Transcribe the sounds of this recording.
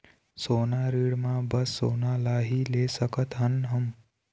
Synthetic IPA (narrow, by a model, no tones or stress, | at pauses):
soːnaɾiɽmãbəsːonalaɦilesəkət̪ɦənɦəm